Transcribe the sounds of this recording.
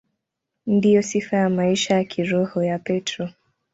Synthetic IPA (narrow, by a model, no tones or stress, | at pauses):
ndijɔsifajamaiʃajakʰiɾɔhɔjapɛtɾɔ